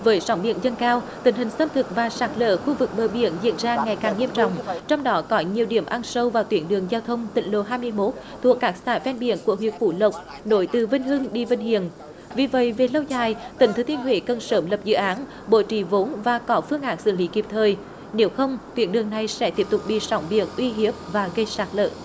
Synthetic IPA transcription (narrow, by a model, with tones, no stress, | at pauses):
vəː˨˦jsɔ˨˦wŋ͡mɓḭ˧˨ənzə˧nkaː˧w | t̪ï˨˩ŋ̟hï˨˩ŋ̟sə˧m̚t̪ʰɨ˨˩k̚vaː˨˩saː˨˥k̚lə̰ː˧˥xu˧vɨ˨˩k̚ɓəː˨˩ɓḭ˧˨ənzḭ˧˨ənzaː˧ŋa˨˩jkaː˨˩ŋːi˧əmt͡ɕɔ̰˧˨wŋ͡mt͡ɕɔ˧wŋ͡mɗɔ˨˦kɔ˨˦ɲi˨˩əwɗḭ˧˩əmʔa˧nsə˧wvaː˨˩wt̪wi˨˧˦ənɗɨ˨˩əŋzaː˧wt̪ʰə˧wŋ͡mt̪ḭ˧˨ŋ̟lo̰˧˨ɦaː˧jmɨ˧əjmo˦˥t̚ | t̪ʰu˨˩əkːaː˦˥k̚saː˧˩jfɛ˧nɓḭ˧˨ənku˧˩əɦwi˨˩ət̚fṵ˧˩lə˨˩wk͡p̚ | no˧˦jt̪ɨ˨˩və˧nɦɨ˧ŋɗi˧və˧nhḭ˧˨ən | vi˨˩və̰˧˨jve˨˩lə˧wzaː˨˩jt̪ï˨˩ŋt̪ʰɨ˨˦t̪i˧ənɦwḛ˧˥kə˨˩nsəː˧˩mlə˨˩p̚zɨ̰˧˨ʔaː˨˦n | ɓo̰˧˩t͡ɕi˧˩vo˨˦nvaː˨˩kɔ˨˦fɨ˧əŋʔaː˨˩ŋsɨ̰˧˨li˨˦ki˨˩əp̚t̪ʰəː˨˩j | ne˨˦wxə˧wŋ͡mt̪wḭ˨˧˦ənɗɨ˨˩əŋna˨˩jsɛ̰˧˥t̪i˦˥əp̚t̪ʊ˨˩k͡p̚ɓḭ˧˨sɔ˨˧˦wŋ͡mɓḭ˧˨ənʔwi˧ɦi˦˥əp̚vaː˨˩ɣə˧jsaː˨˦˥k̚lə̰ː˧˨